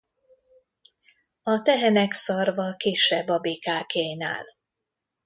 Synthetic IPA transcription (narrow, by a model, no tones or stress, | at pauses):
ɒt̪ɛɦɛnɛksɒrvɒkeːʃɛbːɒbeːkaːkeːna̰ːl